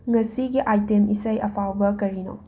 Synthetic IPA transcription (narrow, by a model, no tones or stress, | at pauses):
ŋɐsiɡiʔajtemʔisɐjɐpʰawbɐkɐɾino̰